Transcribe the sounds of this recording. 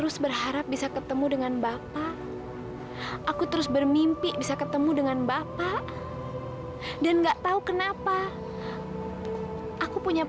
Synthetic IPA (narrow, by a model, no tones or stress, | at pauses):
əɾʊsbərɦaɾap̚bisakət̪əmudəŋanbapa | ʔakut̪əɾʊsbərmimpɪʔbisakət̪əmudəŋanbapa | danŋɡaʔt̪aukənapa | ʔakupuɲa